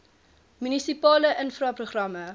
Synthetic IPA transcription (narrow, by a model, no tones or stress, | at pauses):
mynisipɑːləʔənfrɐːproχrɐmə